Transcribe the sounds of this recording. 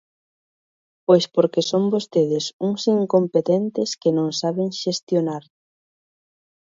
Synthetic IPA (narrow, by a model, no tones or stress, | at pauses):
pojspoɾkesombost̪eðɪsuŋsiŋkompet̪ent̪ɪskɪnõŋsaβeŋʃest̪jonaɾ